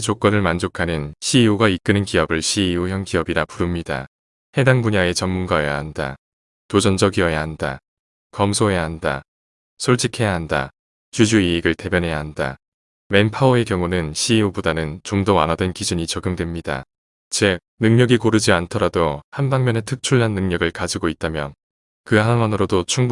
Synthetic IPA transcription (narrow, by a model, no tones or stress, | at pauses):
t͡ɕok͈ʌnɯɭmand͡ʑokʰanɯnɕʰiːuɡaik͈ɯnɯnkiʌbɯɭɕʰiːuçjʌŋkiʌbiɾapuɾumɲida̰ | he̞daŋbuɲae̞t͡ɕʌnmːunɡaja̰ɦanda̰ | tod͡ʑʌnd͡ʑʌɡiʌjaɦanda̰ | kʌmsʰoɦe̞jaɦanda̰ | sʰoɭt͡ɕʰikʰe̞jaɦanda̰ | t͡ɕud͡ʑuiːɡɯɭte̞bjʌnɦe̞jaɦanda̰ | me̞npʰaoe̞kjʌŋunɯnɕʰiubudanɯnt͡ɕomdowanɦadwe̞nkid͡ʑuɲit͡ɕʌɡɯmdwe̞mɲida̰ | t͡ɕek̚nɯŋɲʌɡikoɾɯd͡ʑiantʰʌɾadohanbaŋmjʌne̞tʰɯk̚t͡ɕʰuɭːanːɯŋɲʌɡɯɭkad͡ʑiɡoit̚t͈amjʌn | kɯɦaŋwanɯɾodot͡ɕʰuŋb